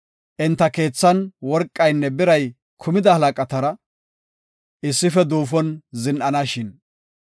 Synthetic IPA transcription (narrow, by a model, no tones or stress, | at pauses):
ʔɪnt̪ːɐke̞ːt͡sːɐnwɔɾkʼːɐjnːɛbɪɾɐj | kʰʊmɪd̪ɐhɐlɐkʼɐt̪ɐɾɐ | ʔɪsːɪfɛd̪uːfɔnzɪnʔɐnɐʃɪn